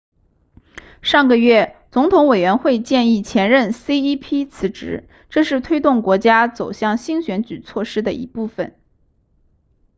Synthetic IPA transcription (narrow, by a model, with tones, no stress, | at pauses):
ʂɑ˥˩ŋɡə˨ɥɛ˥˩t͡sʊ˧˥ŋt̪ʰʊ˧˥ŋwe˨˩ɥɛ˧˥nxwe˥˧ɪt͡ɕjɛ˥˧ni˥˩t͡ɕʰjɛ˧˥nɻə˥˩nsi˥i˥pʰi˥t͡sʰɹ̩˧˥ʈ͡ʂɻ̩˧˥ | ʈ͡ʂɤ˥˧ʂɻ̩˥˩t̪ʰwe˥ɪt̪ʊ˥˩ŋkwɔ˧˥t͡ɕja˥t͡so˨˩ʊɕjɑ˥˩ŋɕi˥ŋɕɥɛ˧˥nt͡ɕy˨˩t͡sʰwɔ˥˩ʂɻ̩˥d̪ə˨ʔḭ˧˥pu˥˩fə˨˩˦n